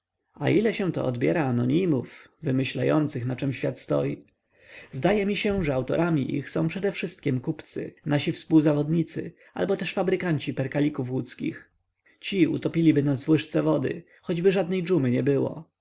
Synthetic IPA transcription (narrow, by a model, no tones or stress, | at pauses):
aʔilɛɕɛ̃t̪ɔ̰ɔd̪bʲjɛɾaːnɔɲimufvɘmɘɕla̰jɔnt̪sɘxnat͡ʂɛmɕfʲat̪st̪ɔji | zd̪ajɛmʲiɕɛʐɛawt̪ɔ̰ɾʔamʲiʔḭxsɔ̃w̃pʂɛd̪ɛfʂɘst̪̚kʲɛmkupt̪sɘ̰naɕifspuwzavɔd̪ɲit̪sɘ̰ | a̰lbɔt̪ɛʂfabɾɘkaɲt͡ɕipɛɾkalʲikufwut̪skʲḭx | t͡ɕiṵt̪ɔpʲilʲibɘnazzwɘʂt̪sɛvɔd̪ɘ̰ | xɔd͡ʑbɘʐad̪nɛjd͡ʐumɘɲɛbɘwɔ̰